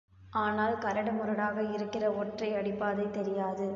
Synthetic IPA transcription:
ʔaːnaːlkɐɾɐɽɐmʊɾɐɽaːɣɐɪɾɯkːɪrɐoːʈrɐɪɐɽɪpːaːðɐɪt̪ɛɾɪjaːðɯ

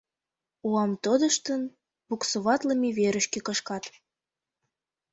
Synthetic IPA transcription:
uɑmt̪od̪əʃt̪ən | buksuβɑt̪ləmiβeɾəʃkekəʃkɑt̪

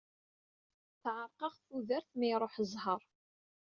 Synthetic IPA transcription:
θʕəɾˤqɑʁθuðəɾθmiɾˤoħəzˤhəɾˤ

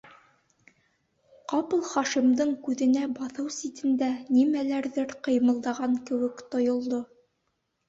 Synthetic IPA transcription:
qɑpɤ̆lˠχɑʃimd̪ɤɴkʉðɘ̆næbɑθɤwsit̪ɘ̆nd̪ænimælæɾðɘɾqɤ̆jmɤ̆lˠd̪ɑʁɑŋkɘ̆wɘ̆kt̪ŏjŏlˠd̪o

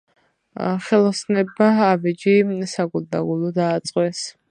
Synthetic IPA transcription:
χɛlɔsnɛbmaːbɛd͡ʒisaɡulˠd̪aɡulˠɔd̪aːt̪sʼqʼwɛs

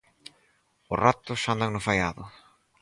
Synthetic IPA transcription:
ʊrat̪ʊsand̪aŋnʊfajaðʊ̰

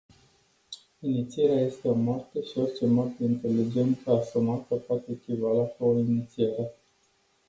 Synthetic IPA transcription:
init̪sieɾeaje̞st̪e̞o̞mart̪əʃio̞rt͡ʃe̞mart̪eint̪e̞lid͡ʒe̞nt̪əasumat̪əpoat̪e̞ːkʲivalakuoinit̪sieɾe

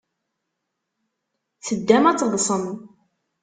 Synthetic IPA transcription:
θəd̪ːæmæt͡sːðsˤən

